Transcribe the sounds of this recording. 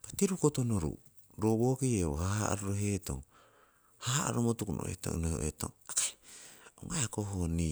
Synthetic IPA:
katiɾukotonoɾṵ | ɾoboːkieo̰haha̰ʔa̰ɾoɾoɦeːto̰ŋ | hahaa̰ɾomotukuno̰ḛto̰noho̰ʔeto̰aka | o̰ŋajakoɦoni

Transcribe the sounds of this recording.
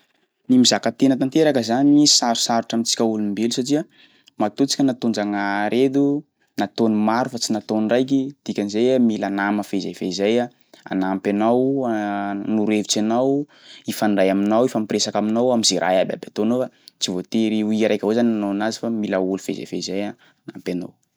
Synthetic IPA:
nimizakat̪enət̪ant̪eɾakəzanimisaɾu̥saɾuʈ͡ʂamit͡si̥kʲaulumbelusaʈ͡ʂiə | mat̪ut͡si̥kʲanat̪ond͡ʒaŋaɾed̪u | nat̪onimaɾufat͡sinat̪onrajk̬id̪̥ikʲanizajamilanaməfeza̰jfeizaja | a̰nampanaw | nuɾevit͡sanaw | ifanɖ͡ʐajaminawifampɾesakaminawamizeɾʔa̰jabʲa̰bat̪onofat͡sivot̪eɾiuiɾajkʲaɦozananonazi̥familaulufḛza̰jfḛzaja | ana̰mpʲana̰w

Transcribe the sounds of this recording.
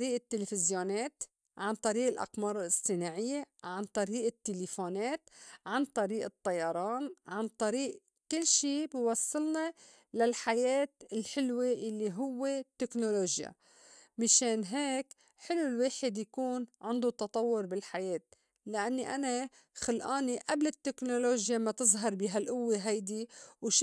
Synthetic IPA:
ɾiːʔɪt̪ːelefɪzjoneːt̪ | ʕant̪ˤɑɾiːʔɪlʔɑ̰qmɑːɾˤɑlʔɪsˤt̪ˤinaːʕɪjːeʕant̪ˤɑɾiːʔɪt̪ːelefoːneːt̪ʕant̪ˤɑɾiːʔɨt̪ˤːɑjɑɾˤɑːnʕant̪ˤɑɾiːʔ | kɪlːʃiːbɪwɑsˤːɨlnɑ | lalħajeːt̪ɪlħɪlweʔalːiɦʊwːet̪ːeknoloːʒja̰ | mɪʃeːnɦeːk | ħɪlːulweːħɪd̪jakuːnʕɪnd̪ut̪ɑt̪ˤɑwːʊɾbɪlħajeːt̪̚ | lɪʔanːiʔana | xalʔaːniʔablɪt̪ːeknoloːʒjamat̪ɨzˤɦɑɾˤbiɦalʔʊwːeɦajd̪iwʃ

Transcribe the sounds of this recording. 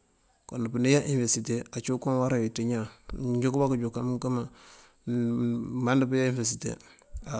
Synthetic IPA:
konupunijaʔinfeɾsiteat͡ʃukonwaɾawitiɲad͡ʒukbakud͡ʒukamuŋkama | mandipijainfesitḛa

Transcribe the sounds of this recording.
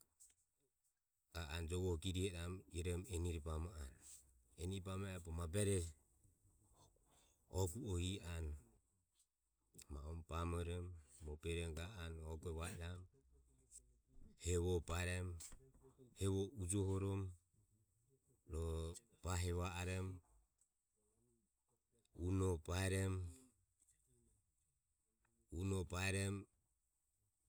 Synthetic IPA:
ɡ̥aand͡ʒɔβɔhkiɾihɛɾamiɾɛmɛniɾipamaan | ɛniɾpamaɛpɔmabɛɾɛ | ɔɡuɔian | maɔmpamɔɾɔmːɔpɛɾɛmɡaanɔɡuɛβaɛɾam | hɛβɔpaɾɛm | hɛβɔud͡ʒɔhɔɾɔm | ɾɔ | paɦɛβaaɾɛm | unɔpaɛɾɛm | unɔpaɛɾɛm

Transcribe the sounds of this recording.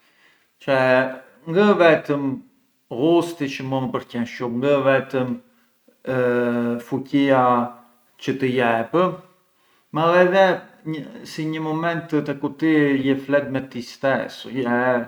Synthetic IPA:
t͡ʃɛ | ŋɡəvɛt̪əm | ɣust̪it͡ʃəmunpəɾcɛnʃumŋɡəvɛt̪əm | fucia | t͡ʃət̪əjɛpə | malɛðɛəsiɲəmɔmɛnt̪t̪ɛkut̪ijɛflɛt̪̚mɛt̪ist̪ɛsjɛ

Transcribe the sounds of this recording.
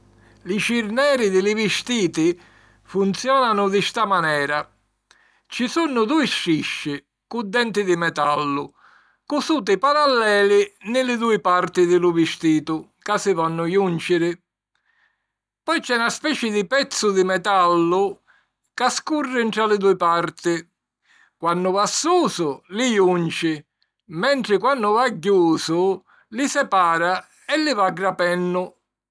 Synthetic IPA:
lɪʃiɾnɛːɾɪd̪ɪlɪvɪst̪iːt̪ɪ | funt̪sjɔːnanʊd̪ɪst̪amanɛːɾa | t͡ʃisunːʊd̪uːiʃːiʃːɪ | kud̪ːɛnt̪ɪd̪ɪmɛt̪a̰lːʊ | kʊsuːt̪̬ɪpaɾalːɛːlɪnɪlɪd̪uːɪpaɾt̪ɪðɪlʊvɪst̪iːt̪ʊkasɪvɔnːʊjunt͡ʃɪɾɪ | pɔjt͡ʃɛnaspɛːt͡ʃɪd̪ɪpɛt̪sːʊd̪ɪmɛt̪alːʊ | kaskurːɪɳt̪ɾalɪd̪uːɪpaɾt̪ɪ | kwanːʊvasːuːsʊlɪjunt͡ʃɪ | mɛnt̪ɾɪkwanːʊvaɟːuːsʊ | lɪsɛpaːɾa | ɛlːɪvaɡːɾapɛnːʊ

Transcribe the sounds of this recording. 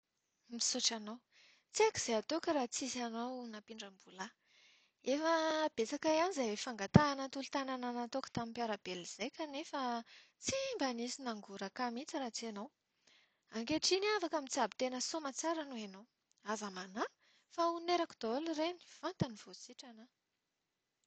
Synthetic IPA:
misuʈ͡ʂanow | t͡siakiz̥eat̪okaɾaːt͡sizanownapiɳɖ͡ʐəmbula | efəb̥et͡sakajanizefaŋɡat̪aːnət̪ulut̪anananat̪okḁt̪amimpjaɾabeliz̥ejkʲanefa | t͡simbanisinaŋɡuɾakamit͡siɾat͡sienow | aŋkeʈ͡ʂiniafakamint͡siabit̪enəsomat͡saɾanoenow | azamana | fauneɾaku̥d̪olreni̥fant̪aniv̥ot͡siʈ͡ʂana

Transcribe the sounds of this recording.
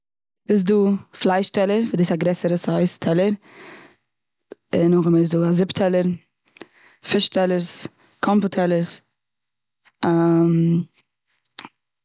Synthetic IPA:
bɪs̬duːflˠaɪʃtɛlˠəɾfɪdiɪsaɡɾɛsəɾəsɔɪstʰɛlˠəɾ | ɪnʊχmɪsduːazɪptʰɛlˠəɾ | fɪʃtʰɛlˠəɾs | kʰɔmpʊtʰɛlˠəɾs | am

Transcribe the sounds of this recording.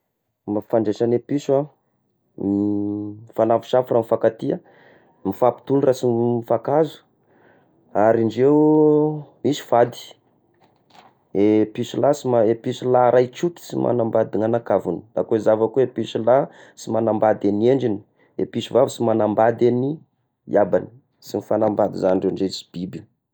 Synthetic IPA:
mafaɳɖ͡ʐeʃanepisua | mifanavu̥ʃaframifakat̪ia | mifapi̥t̪ulurasimifakazu̥ | aɾiɳɖ͡ʐewu | misu̥fad̪i̥ | episulasimaepisulaɾajt͡ʃut̪i̥simʔa̰nambad̪iŋanakavuni̥dakoizavakuepisula | simanambad̪anieɳɖ͡ʐini̥ | ḛpisuvavsimanambad̪eni | jabani̥ | simifanambad̪izanɳɖ͡ʐaɳɖ͡ʐesi̥b̥ibi

